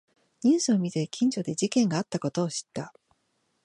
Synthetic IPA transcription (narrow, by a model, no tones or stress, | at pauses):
ɲĩːsɨomʲit̪e̞kʲʰĩɲ̟d͡ʑo̞d̪e̞d͡ʑikẽ̞ŋɡaːt̪ːako̞t̪o̞ːɕi̥t̪ːa